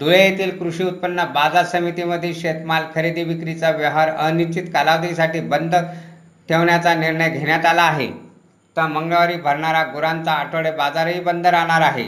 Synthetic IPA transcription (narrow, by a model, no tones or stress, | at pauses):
d̪uɭejet̪iːlkɾuɕiːut̪̚pənːəbad͡zasəmit̪iməd̪ʱiɕet̪malkʰəɾed̪iːʋikɾit͡saʋjəɦaɾənit͡ɕit̪kalaʋt̪isaʈiːbənd̪ʱə | ʈʰeʋɳjat͡saniɾɳəjɡʱeɳjat̪alaːɦḛ | t̪əməŋɡɭʋaɾiːbʱəɾɳaɾaɡuɾant͡saːʈʰəɭebad͡zaɾɦiːbənd̪ʱəɾaɽ̃aɾaɦḛ